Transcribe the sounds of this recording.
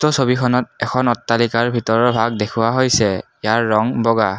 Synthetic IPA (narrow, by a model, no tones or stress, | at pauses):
tɔsobikʰɔnɔt̚ɛkʰɔnɔtːalikaɹbʱitɔɹɔɹbʱaɡdekʰʊwaɦojsɛ | jaɹːɔŋbɔɡa